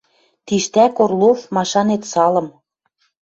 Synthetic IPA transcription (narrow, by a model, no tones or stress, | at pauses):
t̪iʃt̪ækorlofmɑʃɑnet̪sɑlɤ̆m